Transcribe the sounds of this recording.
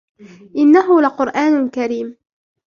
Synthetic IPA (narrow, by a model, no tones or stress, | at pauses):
ʔɪnːaɦʊlaqʊɾʔaːnʊlkaɾiːm